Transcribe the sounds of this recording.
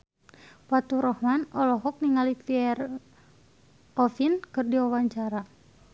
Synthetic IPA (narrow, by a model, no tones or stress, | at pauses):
pat̪uɾɔhmanɔlɔɦɔk̚niŋalifiɛr | ɔfinkɨrdiwawaɲt͡ʃaɾa